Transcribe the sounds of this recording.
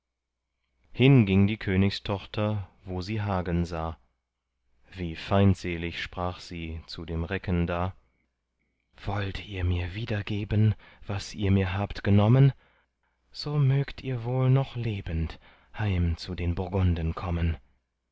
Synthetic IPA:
hɪnɡɪŋdiːkʰøːnɪçstʰɔχtʰɐvoːziːɦaːɡənzaː | v̥iːfaɪntz̥eːlɪçʃpʁ̥aːχz̥iːt͡sudeːmʁɛkəndaː | v̥ɔltʰiːɐmiːɐviːdɐɡeːbən | v̥asiːɐmiːɐɦaːptɡ̥ənɔmən | z̥oːmøːktʰiːɐvoːlnɔχleːbənt | haɪmt͡sudeːnbʊɐɡʊndənkʰɔmən

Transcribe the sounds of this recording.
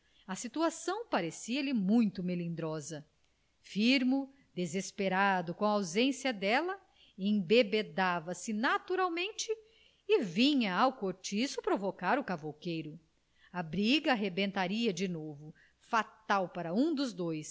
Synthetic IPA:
ɐsit̪uasɐ̃w̃paɾesiɐlɪmũj̃t̪ʊmelĩnd̪ɾɔzɐ | fiɾmʊ | d̪ezespeɾad̪ʊkõawzẽsiɐd̪ɛlɐ | ẽbebed̪avɐsɪnat̪uɾawmẽnt͡ʃɪ | ɪvĩɲɐawkoɾt͡ʃisʊpɾovokaɾʊkavowkejɾʊ | ɐbɾiɡɐaɦebẽnt̪aɾiɐd͡ʒɪnovʊ | fat̪awpaɾɐũd̪ʊzd̪ojs

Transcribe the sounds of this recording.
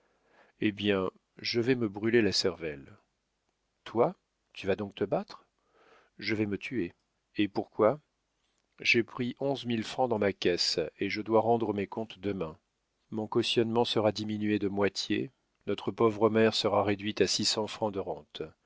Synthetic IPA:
ebjɛ̃ | ʒəvɛməbʁylelasɛʁvɛl | t̪wa | t̪yvad̪ɔ̃k̚t̪əbat̪χ | ʒəvɛmət̪ʰye | epuʁkwa | ʒepχiʔɔ̃zmilfχɑ̃d̪ɑ̃makʲɛseʒəd̪waʁɑ̃d̪ʁəmekɔ̃t̪d̪əmɛ̃ | mɔ̃kɔsjɔnmɑ̃səʁad̪iminɥed̪əmwat̪je | nɔt̪χəpɔvʁəmɛʁsəʁaʁed̪ɥit̪asisɑ̃fχɑ̃d̪əʁɑ̃t̪

